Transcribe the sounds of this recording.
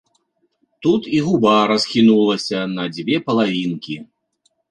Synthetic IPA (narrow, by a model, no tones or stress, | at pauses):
t̪ut̪iɣubaɾɐsxʲinulˠɐsʲɐnɐd͡zʲvʲɛpɐlˠavʲinkʲi